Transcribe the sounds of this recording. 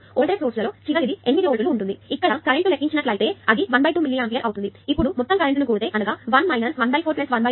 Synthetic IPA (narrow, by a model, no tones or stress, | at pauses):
oːɭɖɾesoːɾslɐlo̞ːt͡ʃiʋɐɡid̪ienʋiɾioɭʈuluːɳʈund̪iikːɐɽɐkɐɾeɳʈulekːiɲt͡ʃinɐʈlɐjt̪e̞ɐd̪iʋɐnbɐjʈuːmilːiaeːmp̬ijɐɾʔɐwut̪und̪iipːuɽumɔt̪ːɐmkɐɾeɳʈnukuːɽut̪e̞ːʔɐnuɡaːʋɐnmɐjnɐsʋɐnbɐjpʰoːɾplesʋɐnbɐ